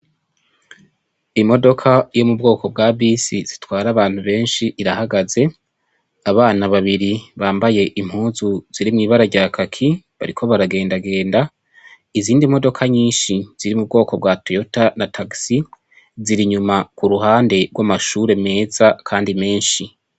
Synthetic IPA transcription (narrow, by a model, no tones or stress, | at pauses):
imo̞do̞kʰajo̞mub̚ɡo̞ːko̞b̚ɡabisiz̥itwaːɾaβaːn̥huβe̞ːnʃiʔːɾahaɡaze̞ | aβaːnaβaβiɾiβaːmbaje̞ʔim̥huːzuz̥iɾimŋiːβaɾaɾɟaːkʰakʰi | βa̰ɾikʰo̞βaɾaɡe̞ːndaɡe̞ːnda | iziːndimo̞do̞kʰaɲiːnʃiz̥iɾimub̚ɡo̞ːko̞b̚ɡatiotanatʰaɡsi | ziɾiɲumakuɾuɦaːnde̞ɡwamaʃuɾe̞me̞ːzakʰaːndime̞ːnʃi